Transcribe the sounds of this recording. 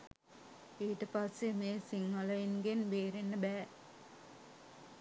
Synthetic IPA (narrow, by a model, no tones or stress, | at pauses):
iːʈəpassemeːsiŋːɐlɐjinɡenbeːɾenːəbæː